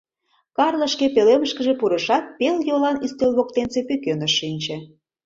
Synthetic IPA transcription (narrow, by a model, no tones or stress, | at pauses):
kɑrlə̆ʃkepeleməʃkəʒepuɾeʃɑt̪̚peljolɑnist̪elβok̚t̪ensepykønəʃːinʲt͡ɕĕ